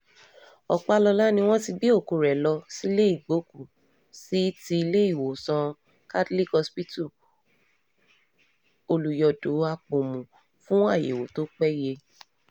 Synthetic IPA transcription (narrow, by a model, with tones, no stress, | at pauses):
ɔ̰˨k͡pa˧lɔ˧la˦nĩ˧w̃ɔ̃˦ti˧bi˦o˦˨ku˨ɾɛ˨lɔ˧si˦le˦i˦˨ɡ͡bo˨˦ku˦˨ | si˦ti˧i˧le˦i˦˨wo˨sã˧ | ka˦dli˦kɔ˧spi˦tu˦˨ | o˧lu˨jɔ˧do˨˦a˧k͡po˨mũ˨ | fũ˦a˦˨jḛ˨wo˨to˦k͡pɛ˦je˧